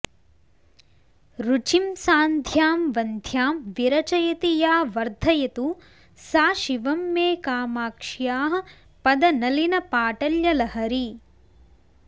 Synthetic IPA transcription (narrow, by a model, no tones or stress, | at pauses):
ɾut͡ʃimsaːnd̪ʱjaːmʋɐnd̪ʱjaːmʋiɾɐt͡ʃɐjɐt̪ijaːʋɐɾd̪ʱɐjɐt̪u | saːʃiʋɐmːeːkaːmaːkʂjaːɦɐ̆ | pɐd̪ɐnɐlinɐpaːʈɐljɐlɐɦɐɾi